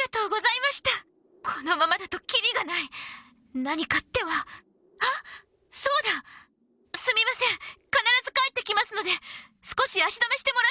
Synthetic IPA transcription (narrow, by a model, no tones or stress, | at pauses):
ɡat̪o̞ːɡo̞zaimaɕi̥t̪a | kʰo̞no̞mamad̪at̪o̞kʲiɾʲiɡanai | naɲ̟ikat̪ːe̞βa | a | so̞ːd̪a | sɨmʲimasẽ̞ŋkanaɾazɨkaet̪ːe̞kʲimasɨno̞d̪e̞sɨ̥ko̞ɕiaɕid̪ameɕi̥t̪e̞mo̞ɾa